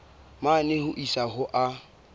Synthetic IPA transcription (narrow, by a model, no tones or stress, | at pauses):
manɪhʊʔisaɦʊʔa